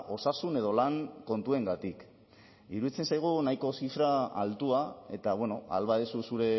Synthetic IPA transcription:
ʔo̞sasune̞ð̞o̞laŋko̞nt̪ue̞ŋɡat̪ik | iɾuðit͡sensajɣ̞unajko̞sifɾaalt̪uae̞̰t̪aβweno̞a̰lβaðesusuɾe̞

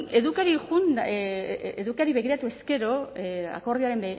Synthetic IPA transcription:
e̞ðukaɾiɣun | eðukaɾiβe̞ɣiɾat̪ue̞ske̞ɾo̞a̰ko̞ɾðioaɾe̞m

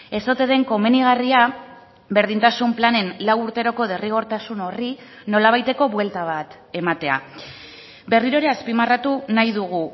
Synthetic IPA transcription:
e̞so̞t̪e̞ðe̞ŋko̞me̞niɣ̞aria | βe̞ɾð̞int̪asumplane̞nlawuɾt̪e̞ɾo̞ko̞ð̞e̞riɣ̞o̞ɾt̪asuno̞ri | no̞laβ̞ajt̪e̞ko̞βwe̞lt̪aβ̞at̪ | e̞mat̪e̞a̰ | be̞riɾo̞ɾeaspimarat̪unajðuɣ̞u

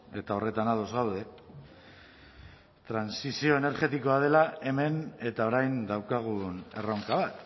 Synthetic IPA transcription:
e̞t̪ao̞re̞t̪anaðo̞zɣawð̞e̞ | t̪ɾansisio̞ene̞ɾɣe̞t̪iko̞að̞e̞lae̞me̞ne̞t̪ao̞ɾajnd̪awkaɣ̞une̞̰rowŋkaβ̞at̪

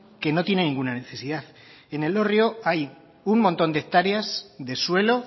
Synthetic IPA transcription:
ke̞no̞t̪je̞ne̞nĩŋɡunane̞θe̞siðaθ | e̞ne̞lo̞rjo̞aj | uŋmõnt̪o̞nd̪ek̚t̪aɾeasðe̞swe̞lo̞

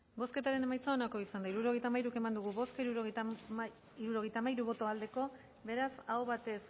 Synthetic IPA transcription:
bo̞ske̞t̪aɾe̞ne̞majt͡soonako̞isand̪aiɾuɾo̞ɣ̞e̞jt̪amajɾuke̞mand̪uɣuβo̞skaiɾuɾoɣ | iɾuɾo̞ɣe̞jt̪amajɾuβ̞o̞t̪o̞ald̪e̞ko̞ | βe̞ɾasaoβat̪e̞s

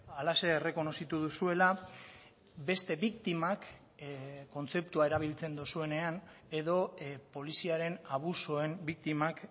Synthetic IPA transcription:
alase̞ːre̞ko̞no̞sit̪uð̞usue̞la | be̞st̪e̞βikt̪imak | ko̞nt͡se̞p̚t̪uae̞ɾaβ̞ilt͡se̞nd̪usue̞ne̞an | e̞ðo̞po̞lisiaɾe̞naβ̞usoe̞mbik̚t̪imak

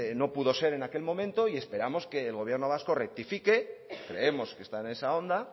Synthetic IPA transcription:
no̞puðo̞se̞ɾe̞nake̞lmo̞mẽ̞nt̪o̞ie̞spe̞ɾamo̞ske̞ːlɣo̞β̞je̞ɾno̞β̞asko̞rek̚t̪ifike̞kɾe̞̰e̞mo̞skest̪aene̞sao̞nd̪a

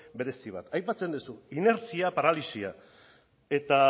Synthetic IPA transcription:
be̞ɾe̞siβ̞a̰t̪ajpat͡se̞nd̪usuine̞ɾt͡siapaɾalisia̰ | e̞t̪a

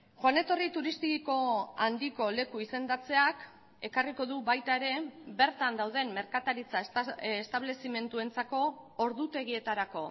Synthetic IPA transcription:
ʝoane̞t̪o̞rit̪uɾist̪ikiko̞and̪iko̞le̞kuise̞nd̪at͡se̞ak | e̞kariko̞ðuβajt̪ae̞ɾe̞be̞ɾt̪and̪awð̞e̞mme̞ɾkat̪aɾit͡saest̪aβ̞le̞sime̞nt̪ue̞nt͡sako̞ːɾðut̪e̞ɣ̞ie̞t̪aɾako̞

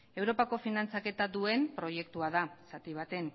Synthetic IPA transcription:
e̞wɾo̞pako̞finant͡sake̞t̪aðue̞mpɾo̞je̞kt̪uaðasat̪iβ̞at̪e̞n

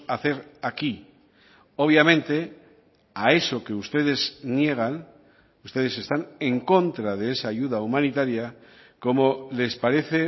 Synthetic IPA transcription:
aθe̞ɾaki | o̞β̞jamẽ̞nt̪e̞ | ae̞so̞ke̞ust̪e̞ðe̞znje̞ɣ̞an | ust̪e̞ðe̞se̞st̪ane̞ŋko̞nt̪ɾað̞e̞esaːʝuðaumãnit̪aɾja | ko̞mole̞spaɾe̞θe̞

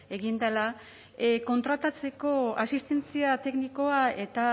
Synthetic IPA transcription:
e̞ɣind̪ala | ko̞nt̪ɾat̪at͡se̞ko̞asist̪e̞nt͡siat̪e̞kniko̞ae̞t̪a

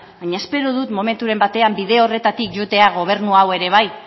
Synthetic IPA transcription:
baɲae̞spe̞ɾoð̞ut̪mo̞me̞nt̪uɾe̞mbat̪e̞ambiðe̞ore̞t̪at̪ikʝot̪e̞aɣ̞o̞β̞e̞ɾnuawe̞ɾe̞β̞aj

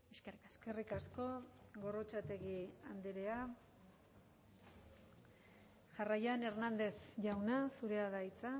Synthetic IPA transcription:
eskerske̞rikasko̞ɣo̞ro̞t͡ʃat̪e̞ɣiand̪eɾe̞a | ʝarajane̞ɾnand̪e̞sʝawnasuɾe̞aðait͡sa

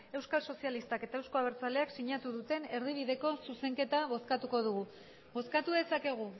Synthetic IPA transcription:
e̞wskalso̞sialist̪ake̞t̪aewsko̞aβ̞e̞ɾt͡sale̞aksiɲat̪uðut̪e̞ne̞ɾð̞iβ̞iðe̞ko̞suse̞ŋke̞t̪aβ̞o̞skat̪uko̞ð̞uɣu | bo̞skat̪uðe̞sake̞ɣ̞u

